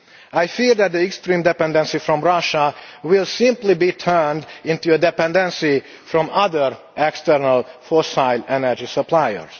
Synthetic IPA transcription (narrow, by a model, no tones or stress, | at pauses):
ajfiɾd̪æt̪̚d̪iɛkst̪ɾĩːmd̪ɛpɛ̃nd̪ɛ̃nsifɾɔ̃mɹaʃawɪlˠsɪ̃mplibiːt̪ʰɜ˞nd̪ɪ̃nt̪uəd̪ɛpɛ̃nd̪ɛ̃nsi | fɾɔ̃mʌd̪əɹ | ʔɛkst̪ɛɾnalfɔsaɪlɛnəɾd͡ʒisəpʰlajə̰ɹs